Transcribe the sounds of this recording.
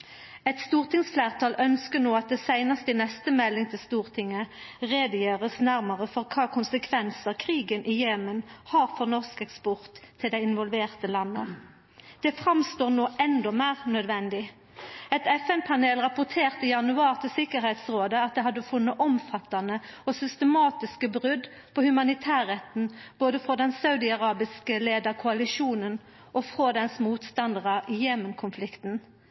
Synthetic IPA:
ɛt̪st̪uːʁt̪ɪŋsflæːʁt̪ʰɑːlʔœnskənoːɑt̪̚d̪ɛːsæɪnɑst̪ɪnɛst̪əmɛlːɪŋt̪ʰɪlst̪uːʁt̪ʰɪŋːəʁeːd̪əjøːʁəsnæʁməʁəfɔʁkʰɑːkʰʊnsəkʰʋɛnsəʁkʰʁiːɡənʔɪjeːmənhɑːʁfɔʁnɔʁskɛkspɔʁt̪ʰːɪld̪æɪɪnʋɔlʋeːʁt̪əlɑnːə̰ | d̪̥ɛfʁɑmst̪oːʁnoːʔɛnd̪ɔmæːʁnœd̪ʋɛnd̪ɪ | ɛt̪ɛfɛnpʰɑneːlʁɑpʊʁt̪ʰeːʁt̪əɪjɑnʉɑːʁt̪ʰɪlsɪkəʁhɛɪt̪sʁoːd̪əɑt̪̚d̪ɛɦɑd̪ːəfʊnːəʔɔmfɑt̪ɑnəɔsʏst̪əmɑːt̪ɪskəbʁʉd̪ | pʰɔhʉmɑnɪt̪ʰæːʁɛt̪n̩b̥oːd̪əfʁɔd̪ɛnsɑʉd̪ɪɑʁɑːbɪskəleːd̪əʁkʰʊɑlɪʂuːnən | ʔɔfʁoːd̪ɛnsmuːt̪st̪ɑnd̪əʁəɪjeːmənkʰʊnflɪkt̪n̩

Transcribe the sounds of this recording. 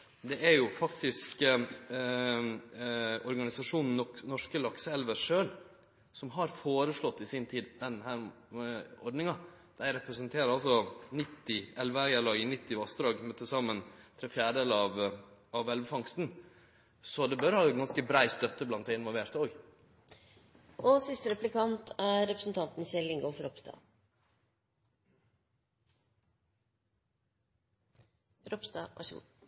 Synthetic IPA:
d̪ɛʔæɾjʊfɑkt̪ɪsk | ɔɾɡɑnɪsɑʂuːnn̩ːɔknɔʂkəlɑksəɛlʋəɾʂøːl | sɔmɦɑɾfoːɾəʂlɔt̪ːɪsɪnt̪ʰiːd̪d̪ɛnhæːɾ | ɔ̰ɾɖnɪŋɑ | d̪̥æɪɾɛpɾəsənt̪ʰeːɾəɑlsɔnɪt̪ːɪɛlʋəæɾjælɑːɡɪnɪt̪ːɪʋɑst̪ɾɑːɡmœt̪ːəsɑmːənt̪ʰɾɛfjæːɖəd̪eːlɑʋɑʋɛlʋəfɑŋst̪n̩ | sɔd̪ɛbœɾhɑːɡɑnskəbɾæɪst̪œt̪ːəblɑnt̪d̪æɪnʋɔlʋeːɾt̪oːɡ | ʔɔsɪst̪əɾɛplɪkʰɑnt̪ʰæɾɾɛpɾəsn̩t̪ʰɑnt̪n̩ɪsɛlɪŋɡɔfɾɔpst̪ɑ̰ː | ɾɔpst̪ɑ̰ːʋʔɑ̰ʂɡṵ

